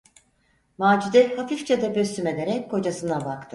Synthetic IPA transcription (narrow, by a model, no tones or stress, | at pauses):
maːd͡ʒud̪ɛhafift͡ʃad̪abøsyme̞d̪e̞ɾɛckʰo̞d͡ʒasɯnabakt̪ʰɯ